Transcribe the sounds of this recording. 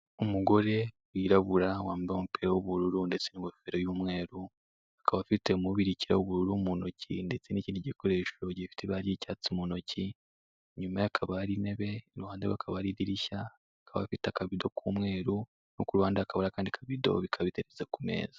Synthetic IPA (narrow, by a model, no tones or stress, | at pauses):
umuɡo̞ɾe̞ | wiɾaβuɾawaːmbaomupiɾawuβuɾuɾunde̞t͡seniŋɡofeɾajuːmŋe̞ːɾu | akaβafite̞muβiɾiciɾaoβuɾuɾumunocḭnde̞t͡seniciːndiɟiko̞ɾe̞ʃo̞ɟifi̥teβaɾiicaːt͡simunoci | ɲumajakʰaβaɾine̞βe̞ɾuhaːndawakʰaβaɾidiɾiʃa | kʰaβa̰fitakaβido̞kʰuːmŋe̞ːɾu | nokuɾuhaːndaakaβonakaːndikʰaβido̞̰βikʰaβiteɾezekume̞̰ːzḁ